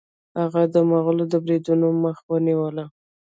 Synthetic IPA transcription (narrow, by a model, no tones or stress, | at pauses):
haɣad̪əmaɣəlod̪əbɾid̪unoməxwəniwəla